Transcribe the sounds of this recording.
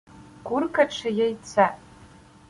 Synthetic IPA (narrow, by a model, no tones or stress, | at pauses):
ɡʷʊrkʰaʈ͡ʂʰajajt͡sʰa